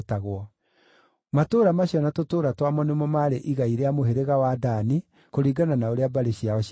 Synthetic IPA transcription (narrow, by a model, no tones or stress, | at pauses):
taɣwɔ | matoːɾamaɕjɔnatotoːɾatwamɔnemɔmaɾeʔiɣaiɾeamoɦeɾeɣawadani | koɾiːɡananaoɾeabaɾeɕiaɔɕ